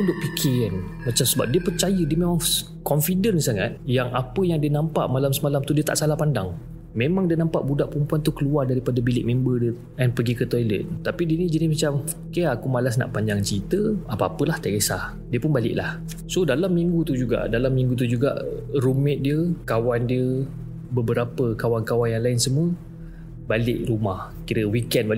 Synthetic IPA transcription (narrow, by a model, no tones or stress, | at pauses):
udʊʔ̚pikʰɪn | mat͡ʃamsəba̰p̚diəpərt͡ʃajədiəmemaŋ | kɔnfidənsaŋa̰t̪̚jaŋapəjaŋdiənampa̰ʔmalamsəmalamt̪udiət̪a̰ʔsalahpandaŋ | mẽmãŋdiənampa̰ʔbudaʔpəɾəmpuant̪ukəluardaɾipadabilɪʔ̚mẽmbədə | ɛnpəɡikət̪ɔjlə̰t̪t̪apidiənid͡ʒənimat͡ʃam | kaakumalas̬na̰ʔpaɲd͡ʒaŋt͡ʃəit̪əapaapəlaht̪aɡesa | diəpʊnbalɪ̰ʔlah | sodalamːiŋɡut̪ud͡ʒuɡa̰ʔdalamːiŋɡut̪̬ud͡ʒuɡa̰ʔrumɪt̪̚diəkawandiə | bəbəɾapəkawankawanjaŋlaɪnsəmuə | balɪʔrumah | kiɾəwikɛnbal